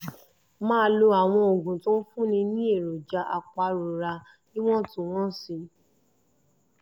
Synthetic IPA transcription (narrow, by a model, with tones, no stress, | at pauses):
mãː˦lo˧a˨w̃ɔ̃˧o˨ɡũ˨tõ˦fũ˦nĩ˧nĩ˦e˦˨ɾo˨d͡ʒa˧˦ʔa˧k͡pa˧ɾo˨ɾa˧ | nĩ˦w̃ɔ̃˦tũ˦w̃ɔ̃˦si˧